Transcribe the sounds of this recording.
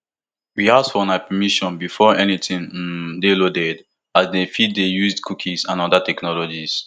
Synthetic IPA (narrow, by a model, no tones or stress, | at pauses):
wiasfɔãnapɛmiʃɔ̃nbifɔɛnitĩn̩delodɛd | azdefid̚dejuzdkʰukʰisãnɔdatɛknɔlɔd͡ʒis